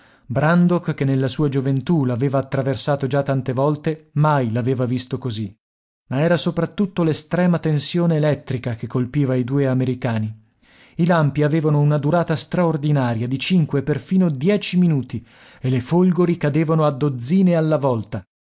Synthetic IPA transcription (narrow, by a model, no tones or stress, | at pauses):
bɾand̪okkːenːelːasuːad͡ʒovent̪ulaːveːvaːt̪ːɾaversaːt̪od͡ʒat̪ːant̪evɔlt̪emajlaveːvavist̪okozi | maɛːɾasopɾat̪ːut̪ːolest̪ɾɛːmat̪ensjoːneːlɛt̪ːɾikak̟ekːolpiːvaid̪uːeameɾikaːni | ilampiaveːvanounad̪uɾaːt̪ast̪ɾaord̪inaːɾjad̪it͡ʃiŋkweperfiːnod̪jɛːt͡ʃiminuːt̪i | elefolɡoɾikad̪eːvanoad̪ːod̪zːiːnealːavɔlt̪a